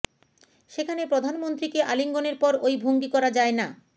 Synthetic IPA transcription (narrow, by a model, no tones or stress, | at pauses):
ʃekʰanepɾod̪ʱanmont̪ɾikeʔaliŋɡoneɾpɔɾojbʱoŋɡikɔɾad͡ʑaena